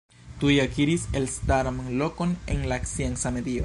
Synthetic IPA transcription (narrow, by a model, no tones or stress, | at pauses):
t̪ujakiɾise̞lstaɾamlo̞ko̞nḛnlaksiensamed̪io